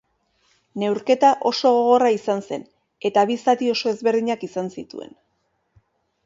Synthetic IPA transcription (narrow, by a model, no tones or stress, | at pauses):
ne̞wɾke̞t̪aʔo̞so̞ɣo̞ɣo̞raisanse̞̰n | e̞t̪aβisat̪io̞so̞e̞zβe̞ɾðiɲakisansit̪ṵe̞̰n